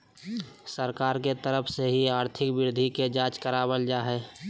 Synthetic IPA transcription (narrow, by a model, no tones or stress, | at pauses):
səɾkaːɾket̪əɾəpʰseɦiaːɾt̪ʰɪkbɪɾd̪ʱiked͡ʒaːt͡ʃkəɾaːbəld͡ʒaːɦɛː